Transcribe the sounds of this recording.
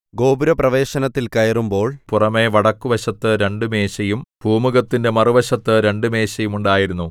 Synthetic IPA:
ɡo̞ːbuɾɐprɐʋe̞ːɕɐnɐt̪ːilkɐjɐrumbo̞ːɭpurɐme̞ʋɐɽɐkːuʋɐɕɐt̪ːɨɾe̞ɳɖume̞ːɕɐjumb̥ʱuːmuɣɐt̪ːinde̞mɐruʋɐɕɐt̪ːɨɾe̞ɳɖume̞ːɕɐjumuɳɖaːjiɾunːu

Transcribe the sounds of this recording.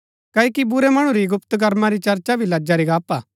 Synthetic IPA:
kɐːikibʊɾemɐɽ̃ũɾiɡʊpt̪ɡɐɾmaɾit͡ʃɐɾt͡ʃabʱilɐd͡ʒaɾiɡaːpaː

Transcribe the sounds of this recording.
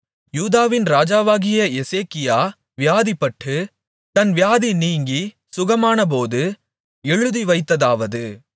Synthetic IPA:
juːðaːʋɪnɾaːd͡ʒaːʋaːɣɪjɐɛseːkɪjaː | ʋɪjaːðipːɐʈːɯ | t̪ɐnʋɪjaːðiniːŋɡi | sʊɣɐmaːnɐp̬oːðɯ | ɛɻɯðiʋɐɪt̪ːɐðaːʋɐðɯ

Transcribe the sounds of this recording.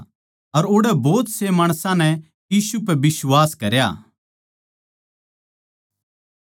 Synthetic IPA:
ɐɾoːɽɛboːt̪semaːɽ̃sãnɛ | jiːsupɛbɪswaːskɐɾja̰ː

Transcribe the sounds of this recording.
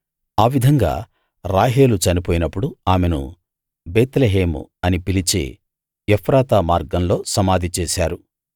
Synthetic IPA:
aːʋid̪ʱɐŋɡa̰ː | ɾaːɦe̞ːlut͡ʃɐnipoːjinɐpːuɽuaːmenṵ | beːt̪leɦeːmṵɐnipilit͡ʃḛː | ɛpʰɾaːt̪aːmaːɾɡɐmlo̞ːsɐmaːd̪ʱit͡ʃeːʃaːɾu

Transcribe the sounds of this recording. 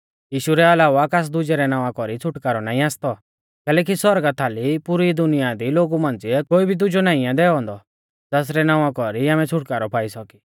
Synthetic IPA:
jiːʃuɾɛɐlaːʋakas̬d̪ʊd͡ʒɛɾɛnãːʋãkɔɾit͡sʰʊʈkaɾɔnaːĩaːst̪ɔ | kɛːlɛːk̬isɔɾɡat̪ʰːalipuɾid̪ʊnɪjad̪iloːɡumãːnd͡ziɛkoːibʱid̪ʊd͡ʒonaːĩad̪ɛɔɦɔ̃ːnd̪ɔ | d͡zɛːs̬ɾɛnãːʋãkɔɾiaːmɛt͡sʰʊʈkaɾɔpʰaːisɔki̥

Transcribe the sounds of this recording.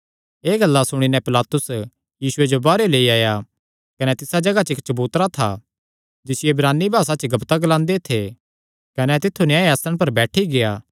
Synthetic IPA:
eːɡɐlːasʊɽ̃inɛpɪlaːt̪ʊs | jiːsʊed͡ʒobaːɾeleːiaːja | kɐnɛt̪ɪsad͡ʒɐɡat͡ʃɪkt͡ʃɐbuːt̪ɾat̪ʰa̰ | d͡ʒɪsɪjeɪbɾaːnːibʱaːsat͡ʃɡɐbt̪aɡɐlãːnd̪et̪ʰe | kɐnɛt̪ɪt̪ʰːunɪjãːjaːst̪ɾə̃ɽ̃p̬ɐɾbɛːʈʰiɡejaː

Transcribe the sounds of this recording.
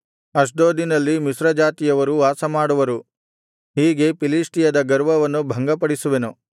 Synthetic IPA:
ɐʂ̬d̪oːd̪inɐlːimisɾɐd͡ʒaːt̪ijɐʋɐɾuaːsɐmaːɽuʋɐɾu | ɦiːɡe̞piliːsʈijɐd̪ɐɡɐɾʋɐʋɐnːubʱɐŋɡɐpɐɽisuʋe̞nu

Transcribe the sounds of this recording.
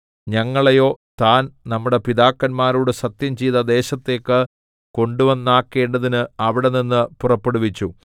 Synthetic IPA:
ɲɐŋːɐɭejo̞ːt̪aːnnɐmːuɽe̞piðaːkːɐnmaːɾuːɽesɐt̪jɐmt͡ɕijðɐd̪e̞ːɕɐt̪ːe̞ːkːɨ | ko̞ɳɖuʋɐnːaːkːe̞ːɳɖɐðinɨɐʋiɽe̞ninːɨpurɐpːe̞ɽuʋit͡ɕːu

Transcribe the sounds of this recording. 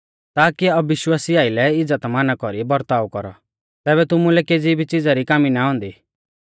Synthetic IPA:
t̪aːkiɐbʋɪʃwaːsiaːɪlɛɪd͡zət̪manakɔɾibɔɾt̪aːukɔɾɔ̰ | t̪ɛːbɛt̪ʊmulɛkeːd͡zibʱit͡ʃɪd͡zaɾikaːminaɦɔ̃ːnd̪iː

